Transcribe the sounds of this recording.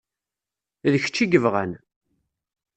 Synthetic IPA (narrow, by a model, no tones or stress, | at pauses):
ðəçə̥t͡ʃːiɡəvʁan